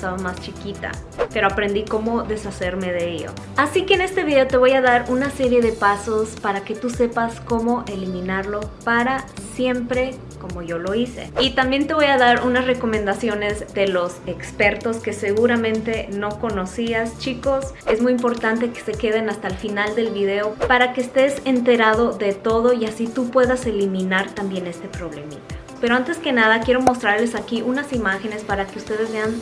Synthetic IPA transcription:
t̪aβomast͡ʃikit̪a̰ | pe̞ɾo̞apɾe̞nd̪iko̞mo̞ðe̞sase̞ɾme̞ðe̞eʎo̰ | asike̞ːne̞st̪e̞βiðe̞ot̪e̞βo̞jaðaɾunase̞ɾje̞ðe̞paso̞spaɾake̞t̪use̞pasko̞mo̞ʔe̞limĩnaɾlo̞paɾasje̞mpɾe̞ | ko̞mo̞ʝo̞lo̞ise̞̰it̪ambje̞nt̪e̞βo̞jaðaɾunasre̞ko̞mẽnd̪asjo̞ne̞zðe̞lo̞se̞kspe̞ɾt̪o̞ske̞se̞ɣuɾamẽnt̪e̞no̞ko̞no̞siast͡ʃiko̞s | e̞zmujimpo̞ɾt̪ant̪e̞ke̥se̞ke̞ð̞e̞nast̪alfinald̪e̞lβiðe̞opaɾakeːst̪e̞se̞nt̪e̞ɾað̞o̞ðe̞t̪o̞ðo̞iasit̪upwe̞ðase̞limĩnaɾt̪ambje̞ne̞st̪e̞pɾo̞βle̞mḭt̪ḁ | peɾo̞ant̪e̞ske̞nað̞akje̞ɾo̞mo̞st̪ɾaɾle̞sakiʔunasimaxe̞ne̞spaɾake̞ust̪e̞ðe̞zβe̞an

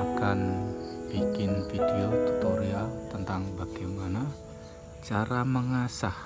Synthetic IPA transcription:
akanbikɪnfideot̪ut̪oɾiat̪ənt̪aŋbaɡ̥imana | t͡ʃaɾaməŋasah

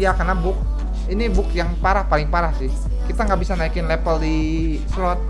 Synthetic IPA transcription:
jakarnabʊk̚ | inibʊkjaŋpaɾahpalɪŋpaɾahsɪh | kit̪aŋɡaʔbisanaikɪnlepəldi | slɔt̪̚

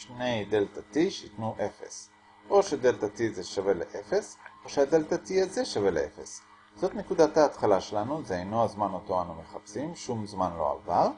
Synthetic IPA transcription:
ʃne̞jdeltatiʃeitnuʔe̞fe̞̰s | ʔo̞ʃedeltatizeʃave̞lḛʔe̞fe̞so̞ʃeadeltatiaze̞ʃaveleʔefe̞s | z̥o̞t̪ne̞kudathaːt̪χalaʃe̞lanuzeejno̞azmanoto̞anume̞χapsimʃumzmanlo̞̰a̰vaʁ

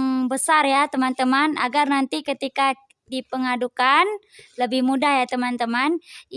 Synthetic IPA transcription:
ŋbəsarjat̪əmant̪əmana̰ɡarnant̪ikət̪ika | dipəŋadukan | ləbɪhmudahjat̪əmant̪əman

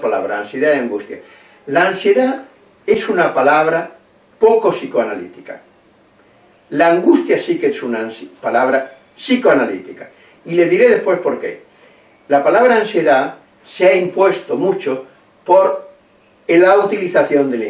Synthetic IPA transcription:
pala̰βɾaːnsjeðaeaŋɡust̪ja̰ | laːnsje̞ða | e̞sunapalaβ̞ɾa | pokosikoanalḭt̪ika̰ | laːŋɡust̪jasikesunanspalaβ̞ɾa | sikoanalḭt̪ika | ile̞zðiɾe̞ðe̞spwe̞spo̞ɾke̞̰ | lapalaβɾaːnsje̞ða | seaimpwe̞st̪omut͡ʃo | poɾ | elaut̪iliθaθjo̞nd̪eli

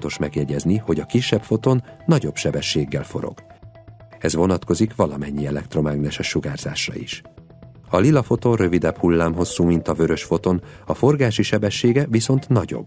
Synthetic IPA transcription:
t̪o̞ʃmɛɡjɛɟɛzniho̞ɟɒkiʃːɛpfo̞t̪o̞nːɒɟo̞bʃɛbɛʃːeːɡːɛlfo̞̰ɾo̰ɡ̥ | ɛzʋo̞nɒt̪ko̞zikʋɒlɒmɛɲːiɛlɛkt̪ro̞maːɡnɛʃɛʃuɡaːrz̥a̰ːʃrɒ̰ḭʃ | ɒlilɒfo̞t̪o̞nrø̞vid̪ɛbhulːaːmɦo̞sːuːmint̪ɒvø̞ɾø̞ʃfo̞t̪o̞nɒfo̞rɡaːʃiʃɛbɛʃːeːɡɛviso̞nt̪nɒɟo̞̰bː

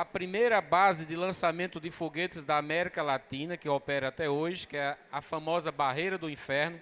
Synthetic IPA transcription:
ɐpɾimejɾɐbazɪd̪ɪlɐ̃samẽnt̪ʊd̪ɪfoɡet̪ɪzd̪ɐamɛɾikɐlat̪ĩnɐkɪopɛɾɐat̪ɛoʒɪkɪɛɐfɐ̃mɔzɐbaɦejɾɐd̪ʊĩfɛɾnʊ

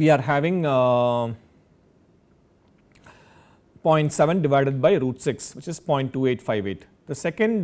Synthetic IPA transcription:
ʋiːaːɾɦæʋɪ̃ŋ | pɔ̃ɪ̃ɳʈsɛʋə̃nɖɪʋaɪɖeɖ̚baɪɾuːʈsɪksʋɪt͡ʃɪzpɔ̃ɪ̃ɳʈːuːeːʈfaɪʋeːʈ | d̪̥əsɛkə̃ɳɖ

